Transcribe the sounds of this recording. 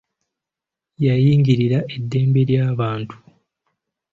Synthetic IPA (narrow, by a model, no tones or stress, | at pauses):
jajiːŋɡiɾiɾaʔe̞dːe̞ːmbe̞ɾjaːβaːntu̥